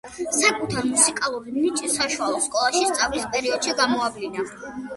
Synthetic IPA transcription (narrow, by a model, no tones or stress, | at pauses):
sakʼut̪ʰaɾmusikʼalˠuɾinit͡ʃʼisaʃualˠɔskʼɔlˠaʃist̪sʼavlispʼɛɾiɔd̪̥ʃiɡamɔablina